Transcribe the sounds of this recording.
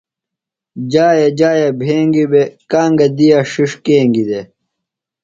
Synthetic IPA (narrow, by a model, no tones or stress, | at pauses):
d͡ʑaːjed͡ʑaːjɐbʱeːŋɡibekaːŋɡɐd̪ijaʂiʂkeːŋɡid̪e